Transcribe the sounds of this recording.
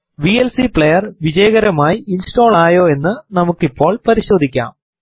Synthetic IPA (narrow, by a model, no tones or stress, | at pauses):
ʋielsipɭejɐrʋid͡ʑɐjɐɣɐɾɐmaːjiinsʈo̞ːɭaːjo̞ːe̞nːɨnɐmukːipːo̞ːɭpɐɾiɕo̞ːd̪ʱikʲːa̰ːm